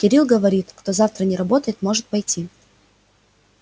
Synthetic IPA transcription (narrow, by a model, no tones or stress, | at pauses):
kʲɪɾʲilˠɡəvɐɾʲit̪kt̪o̞zaft̪ɾənʲɪɾɐbo̞t̪əjɪt̪mo̞ʐɨt̪̚pɐjtʲi